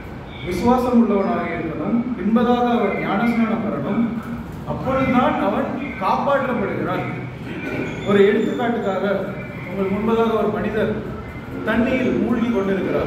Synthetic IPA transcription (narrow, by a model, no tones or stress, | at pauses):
ʋɪsɯʋaːsɐmʊɭːɐʋɐnaːɣɐɪɾɯnd̪ɐnɯmpɪnbɐðaːɣɐːʋɐɾɲaːnɐsnɐːɳɐmpɐɾɐɳɯm | ɐpːɔɾɯðɯt̪aːnɐʋɐnkːɯkaːpaːʈːɐpːɐɽɯɣɪɾaːn | ɔɾɯɛɻɯt̪ːɯkːaːʈːɯkːaːɣɐ | ʊŋɡɐɭmʊnbɐðaːɣɐɔɾɯmɐnɪðɐɾ | t̪ɐɳɖɪjɪlmuːɻɣikːɔɳɖɪɾɯkːɪɾaːɾ